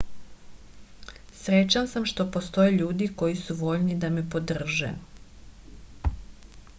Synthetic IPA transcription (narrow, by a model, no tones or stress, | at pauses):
sɾet͡ʃansamʃt̪o̞po̞st̪o̞jeʎuːd̪iko̞jisuʋo̞ʎnid̪ame̞po̞d̪r̩ʒḛ